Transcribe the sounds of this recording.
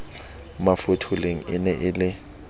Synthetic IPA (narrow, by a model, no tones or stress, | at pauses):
mafʊtʰʊleŋ̩ɪnɛʔɪlɪ